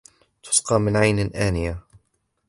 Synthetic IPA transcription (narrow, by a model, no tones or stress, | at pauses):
t̪ʰʊ̥sqɑːmɪnʕajnɪʔaːnɪja